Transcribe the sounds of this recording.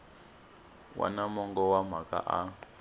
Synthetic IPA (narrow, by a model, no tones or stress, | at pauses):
wʔa̰namɔŋɡɔwam̤aka̰ʔa